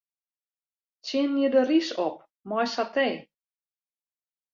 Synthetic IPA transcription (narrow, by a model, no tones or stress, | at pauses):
tjɪnːidərisɔp̚ | mɔjsateː